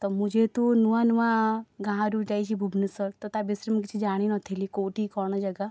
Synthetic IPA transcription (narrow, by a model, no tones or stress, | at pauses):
t̪ɔmud͡ʒʱet̪unuãnuãɡãːãɾuʈait͡ʃʰibʱubnusɔɾt̪ɔt̪abisɾimkit͡ʃʰid͡ʒaːɽ̃inɔt̪ʰilikoːʈikɔːñɔd͡ʒɐɡa